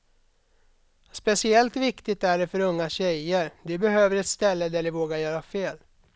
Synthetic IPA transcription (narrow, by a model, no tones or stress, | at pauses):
spɛsɪɛlt̪vɪkt̪ɪt̪æɖɛfœɾɵŋːaɕɛjəɾd̪ɛbɛɦøːvəɾɛt̪st̪ɛlːəd̪æɖɪvoːɡaɾjœːɾafeːl